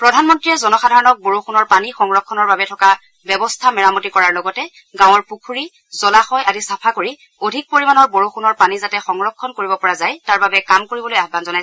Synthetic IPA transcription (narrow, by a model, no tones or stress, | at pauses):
pɹɔdʱanmɔntɹiɛzɔnɔxadʱaɹɔnɔk̚boɹoxunɔɹpanixɔŋɹɔkʰːɔnɔɹbabɛtʰɔka | bɛbɔstʰamɛɹamɔtikɔɹaɹlɔɡɔtɛ | ɡãwɔɹpukʰuɹi | zɔlaxɔjʔadisapʰakoɹi | odʱik̚poɹimanɔɹboɹoxunɔɹpanizatɛxɔŋɹɔkʰːɔnkoɹibɔpɔɹazajtaɹbabɛkamkoɹibɔlojabanzɔnaj